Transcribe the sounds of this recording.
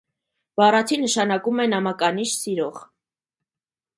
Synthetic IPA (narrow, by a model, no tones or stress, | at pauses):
v̥ɑrɑt͡sʰinəʃɑnɑkumɛnɑmɑkɑniʃsiɾɔʁ